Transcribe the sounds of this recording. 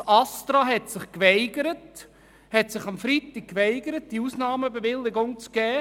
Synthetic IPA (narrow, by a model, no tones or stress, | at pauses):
ɑstɾɑɦɛtsɪχkʋɛɪɡəɾət | hɛtsɪχɑmfɾitɪk̚kʋɛɪɡəɾət̚d̥iusnɑːməbəʋɪlːɪɡʊŋt͡sɡ̥ɛː